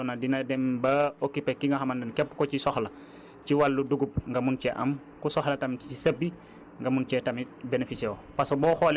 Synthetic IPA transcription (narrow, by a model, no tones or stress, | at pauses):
ɔnɐdinɐdɛmbɐokːipɛkːiŋɡɐxɐmɐndɐnkɛpːkɔcisɔxlɐ | ciwalːuduɡup̚ŋɡɐmuncɛʔɐ̰m | kusɔxlɐtɐmisɐbːi | ŋɡɐmunt͡ʃɛtɐmibenefisɛopɐsɔbɔːxɔl